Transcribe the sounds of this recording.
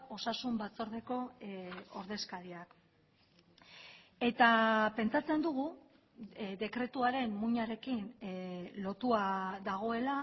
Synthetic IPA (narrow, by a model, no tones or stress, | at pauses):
o̞sasumbat͡so̞ɾðe̞ko̞ | oɾðe̞skaɾiak | e̞t̪ape̞nt͡sat͡se̞nd̪uɣ̞u | d̪e̞kɾe̞t̪uaɾe̞mmuɲaɾe̞kin | lo̞t̪uaðaɣ̞o̞e̞la